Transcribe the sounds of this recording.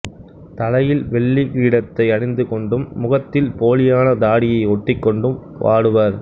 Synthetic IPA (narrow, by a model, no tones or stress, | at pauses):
t̪ɐlɐjɪlʋɛɭːikiːɽɐt̪ːɐɪɐɽɪnd̪ɯkɔɳɖɯmːʊɣɐt̪ːɪlpoːlɪjaːnɐd̪aːɽɪjɐɪɔʈːɪkːɔɳɖɯm | ʔa̰ːɽɯʋɐɾ